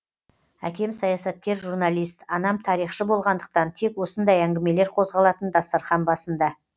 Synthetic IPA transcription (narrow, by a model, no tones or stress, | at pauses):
æ̰kʲe̞msɑjɑsɑt̪̚kʲe̞ɾʒuɾnɑlʲˠijst̪ɑnɑmt̪ʰɑɾijχʃəbo̞lˠʁɑnd̪əq̚t̪ɑnt̪ʰe̞kwo̞sənd̪ɑjæŋɡʲɪme̞le̞ɾqʰo̞zʁɑlˠɑt̪ənd̪ɑst̪ɑɾχɑnbɑsənd̪ɑ